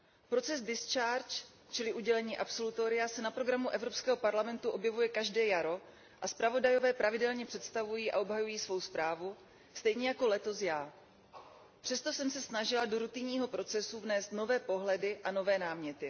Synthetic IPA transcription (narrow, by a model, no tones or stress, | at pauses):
pɾo̞t͡sɛzdɪst͡ʃaːɾt͡ʃ | t͡ʃɪlɪʔuɟɛlɛɲiːʔapso̞lut̪o̞ɾɪasɛnapɾo̞ɡɾamuʔɛvɾo̞pskɛːɦo̞paɾlamɛnt̪uʔo̞bjɛvujɛkaʒdɛːjaɾo̞ | ʔaspɾavo̞dajo̞vɛːpɾʔavɪdɛlɲɛpr̝̥ɛt̪st̪avujiːʔa̰o̞bɦajujiːsvo̞wspɾʔaːvu | st̪ɛjɲɛjako̞lɛt̪o̞sjaː | pr̝̥ɛst̪o̞sɛmsɛsnaʒɪlado̞ɾut̪ɪɲiːɦo̞pɾo̞t͡sɛsuvnɛːst̪no̞vɛːpo̞ɦlɛdɪʔano̞vɛːnaːmɲɛt̪ɪ